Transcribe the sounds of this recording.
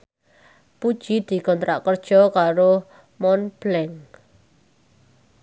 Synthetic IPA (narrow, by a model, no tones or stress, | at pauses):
pud̥ʒ̥i̤d̪̥i̤kɔnt̪ɾaʔkərd̥ʒ̥ɔ̤kaɾo | mɔnb̥lɛŋ